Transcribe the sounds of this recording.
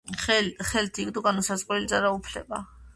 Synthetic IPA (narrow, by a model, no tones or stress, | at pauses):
χɛlt̪ʰikd̪ɔɡanɔsazqʼwɛlid̪zaɾaupʰlɛ̰ba̰